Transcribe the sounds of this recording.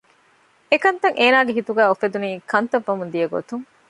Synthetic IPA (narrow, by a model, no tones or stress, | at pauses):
ekɐnt̪ɐŋʔeːnaːɡeɦit̪uɡæːofed̪uniːkɐnt̪ɐʋːɐmund̪ijɐɡo̰t̪uŋ